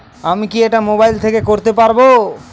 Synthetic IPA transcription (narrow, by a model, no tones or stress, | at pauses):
amikieʈamobajlt̪ʰekekoɾt̪epaɾbo